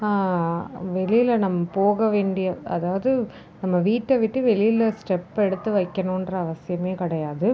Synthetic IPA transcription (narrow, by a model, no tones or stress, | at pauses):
aː | ʋɛlɪjɪlnɐmːɐpoːɣɐʋeːɳɖɪjɐɐ̰ðaːʋɐðɯ | nɐmːɐʋiːʈːɐʋɪʈːɯʋɛɭɪjɪlɐsʈɛpːɛɽɯt̪ːɯʋɐɪkːɐnõndrɐːʋɐsɪjɐmeːkɪɽɐjaːðɯ